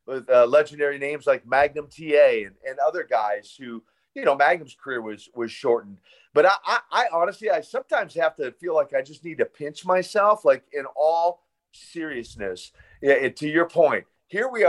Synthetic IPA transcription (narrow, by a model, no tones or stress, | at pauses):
wɪðʌlɛd͡ʒndɛɹinẽɪ̃mzlaɪk̚mæɡ̚nɨ̃mtʰieɪɨ̃nɨ̃nʌðə˞ɡaɪz̥hʉ | jɨnoʊmæɡ̚nɨ̃mz̥kʰə˞ɪɹwʌz̥wʌz̥ʃɔɹʔn̩ | b̥ʌɾaɪʔaɪʔaɪɑnɨstˡliaɪsʌ̃mtʰãɪ̃mz̥hæftɨfilaɪkaɪd͡ʒʌstnid̚tɨpʰɪ̃nt͡ʃmaɪsɛlˠflaɪkɪ̃nɔlˠ | sɪɹiɨsnɨs | ɨtʰɨjə˞pʰɔ̃ɪ̃nt̚ | hiɹwi